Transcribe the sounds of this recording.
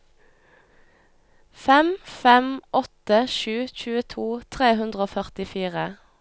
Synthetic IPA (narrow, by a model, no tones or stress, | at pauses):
fɛmfɛmʔɔt̪əʃʉːc͡çʉːət̪ʰuːt̪ʰʁeːɦʉnd̪ʁəoːfœʁt̪ɪfiːʁə